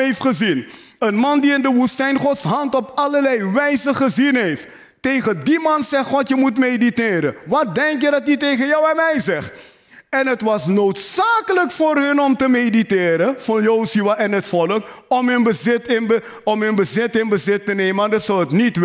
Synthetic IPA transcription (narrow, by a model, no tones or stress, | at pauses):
eftχəzin | ənmɑndiɪndəʋustɛjnχɔtsɦɑntɔpɑləɹlɛjʋɛjzəχəzinɦejft | tejχəndimɑnsɛχχɔtjəmutmejditɪːɾə̰nʋɑt̚dɛŋkjədɑt̚ditejχənjʌwɛnmɛjzɛχt | ɛnɦətʋɑsnowtsaːkələkfʊːrɦənɔmtəmejditɪːɾənfɔnjowzyʋaʔɪnɦətfɔlək | ɔmɦənbəzɪtɪnə | ɔmɦənbəzɪtɪnbəzɪtːənejməandɑtsɔwətnit